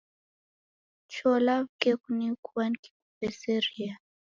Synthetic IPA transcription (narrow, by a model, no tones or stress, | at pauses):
t͡ʃɔlaβkekunikʰuwanki̥kupɛseɾia